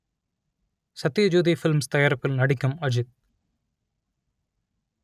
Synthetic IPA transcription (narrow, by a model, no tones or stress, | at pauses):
sɐt̪ːijɐd͡ʒuːd̪ifɪlmst̪ɐjaːɾɐpːɪlnɐɽɪkːɐmɐd͡ʒɪt̪̚